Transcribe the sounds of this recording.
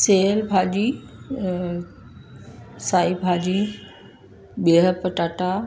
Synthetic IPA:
seːlbʱaːd͡ʑi | saːibʱaːd͡ʑi | ɓiɦəpɐʈaːʈa

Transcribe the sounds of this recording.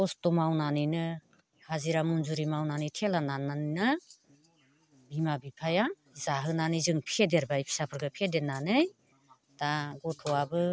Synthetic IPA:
ɔstɔmawnanɯjnɯ | haziɾamunzuɾimawnanɯjtʰelanananɯjnɯ | bimabipʰaja | zaɦɯnanɯzɯŋpʰedeɾbajpʰi̥sapʰɯɾɡɯpʰedenanɯj | d̥aɡɔtʰɔabɯ

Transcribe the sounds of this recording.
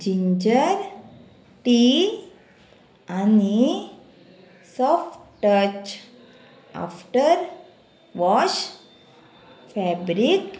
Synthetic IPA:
d͡ʑiɲd͡ʑəɾ | ʈi | ani | sɔfʈʈət͡ʃ | a̰fʈəɾ | ʋɔɕ | fɛbɾik

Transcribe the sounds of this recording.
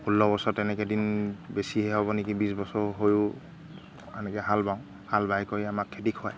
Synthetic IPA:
ulːɔbɔsɔtɛnɛkɛdinbesiɦɛɦɔbɔnekibisbɔsɔɹɦojʊ | a̰nɛkɛɦalbaʊ̃ | halbajkoɹiamakʰːedikʰɔaj

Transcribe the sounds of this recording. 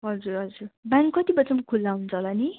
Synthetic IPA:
ɦʌd͡zuɾɦʌd͡zurbaŋkkʌt̪ibʌt͡sʌmkʰulːaɦunt͡sʰʌlani

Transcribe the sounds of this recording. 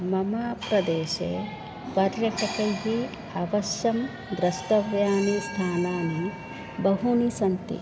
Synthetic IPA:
mɐmaːpɾɐd̪eːʃe | pɐɾjɐʈʰɐkɐjɦi | aʋɐʃjɐm | d̪ɾɐʃt̪ɐʋjaːnist̪ʰaːnaːni | bɐɦunisɐnt̪ḭ

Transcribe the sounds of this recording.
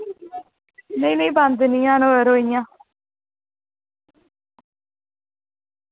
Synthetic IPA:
neĩnẽːband̪nijãːnoːəɾoːijãː

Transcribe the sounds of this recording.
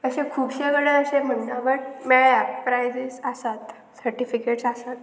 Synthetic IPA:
əɕẽkʰuːbɕeɡɽəəɕem̤əɳːãʋəɽmeɭapɾajd͡zisəsat̪ | səɾʈifikeʈsasat̪

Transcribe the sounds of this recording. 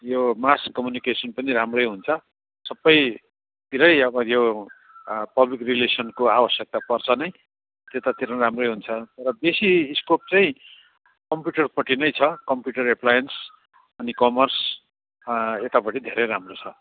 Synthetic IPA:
jomaskːʌmjunikesʌnpʌniɾamrʌjɦunt͡sʰʌ | sʌbːʌj | t̪iɾʌjʌbʌjo | pʌblikrilesʌnkoawʌsjʌk̚t̪apʌrt͡sʰʌnʌj | t̪et̪at̪iɾʌramrʌjɦunt͡sʰʌt̪ʌɾʌbesiskop̚t͡saĩ | kʌmpjuʈʌrpʌʈinʌjt͡sʰʌkʌmpjuʈʌrepʰlajʌns | ʌnikʌmʌrs | et̪apʌʈid̪ʱeɾʌjɾamrot͡sʰʌ

